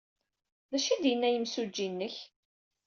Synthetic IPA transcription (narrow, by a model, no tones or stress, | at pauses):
ðæʃid̪jənːæjəmsud͡ʒːinːəç